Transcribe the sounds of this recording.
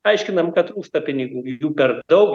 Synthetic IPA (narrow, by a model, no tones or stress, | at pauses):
ɐɪʃʲkʲɪnɐmkɐt̪ɾuːst̪ɐpʲɪnʲɪɡuːjjuːpʲɛrd̪ɐʊk